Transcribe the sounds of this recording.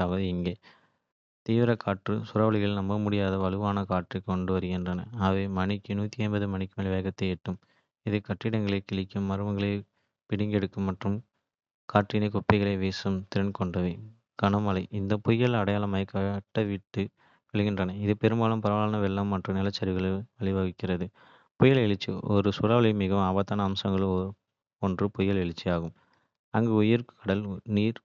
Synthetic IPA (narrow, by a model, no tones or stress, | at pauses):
aːʋɐðɯɪŋɡeː | t̪iːʋɪɾɐkʰaːʈrɯsʊɾɐːʋɐɭɪɣɐɭnɐmbɐmʊɽɪjaːðɐʋɐlɯʋaːnɐkaːʈrɯkɔɳɖɯʋɐɾɯɣɪndrɐnɐ̰aːʋeːmɐɳɪkːɯnuːt̪ːiɐɪnbɐðɯmɐɳɪkːɯmɐɭiʋɐːɣɐt̪ːɐɛʈːɯm | ɪðɯkɐʈːɪɽɐŋɡɐɭeɪkɪɭɪkːɯmːɐɾɯʋɐŋɡɐɭeɪ | pɪɽɪŋɡɛɽɯkːɯmːɐʈrɯm | kaːʈrɪnɐɪkɔpːɪɣɐɭɐɪʋeːsɯmt̪ɪɾɐnkɔɳɖɐʋɐ | ɡ̥ɐɳɐmɐlɐɪʔɪnd̪ɐpɔjːɐɭɐɽɐjaːlɐmaːjɐkːɐɐʈːɐʋiʈːɯ | ʋɛɭɪɣɪndrɐnɐɪðɯpɛɾɯmbaːlɯmpɐɾɐʋaːlɐnɐʋɛɭːɐmːɐʈrɯmnɪlɐt͡ʃːɐɾʋɯɣɐɭʋɐɭɪʋɐɣɪkːɪrɐðɯ | pɔjɐɭɛɭɪt͡ʃːḭɔɾɯsʊɾaːʋɐɭɐmɪɣɐaːbɐt̪ːaːnɐːmsɐŋɡɐɭɔ | ɔndrɯpɔjɐɭɛɭɪt͡ʃːijaːɣɯm | ɐŋɡeːʊjɪɾkʰɐɽɐlniːɾ